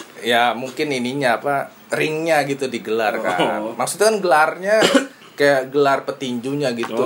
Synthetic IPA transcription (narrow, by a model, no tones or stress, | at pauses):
jamuŋkɪniniɲaːpa | rɪŋɲaɡit̪udiɡəlarka̰maksut̪ukanɡəlarɲa | kajaɡəlarpət̪iɲd͡ʒuɲaɡit̪u